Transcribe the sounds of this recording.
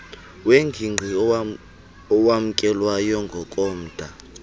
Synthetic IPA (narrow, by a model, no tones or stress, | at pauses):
weŋɡʱiŋ͡ǃʱi | ɔwam̩kʼɛlwajɔŋɡʱɔkʼɔːm̩d̥ʱa